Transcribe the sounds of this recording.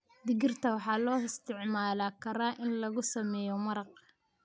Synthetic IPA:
d̪ɪɣɪrt̪ʰɐwɑħɑːlɔːɪst̪ʰɪʕmaːlaːkʰɐɾaːʔɪnlɐɣʊsɐmɛːjɔmɐɾɑq

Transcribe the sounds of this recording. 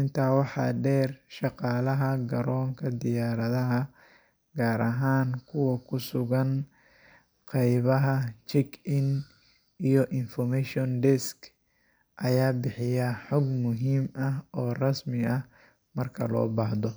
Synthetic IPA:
ʔɪnt̪ʰaːwɑħɑ̰ːɖɛːrʃɑqɑːlɐɦɐɡɐɾɔːŋkʰɐd̪ɪjaːɾɐðɐɦɐ | ɡaːɾɐɦaːnkʰʊwɐkʰʊsʊɣɐn | qɑjβɐɦɐt͡ʃɛkʰɪn | ʔijɔʔɪnfɔrmɛʃɔnd̪ɛskʰ | ʔɐjaːbɪħɪjɐħɔɡmʊɦiːmɐɦʔɔːrɐsmɪɐh | mɐrkʰɐ̰lɔ̰ːbaːhd̪ɔ

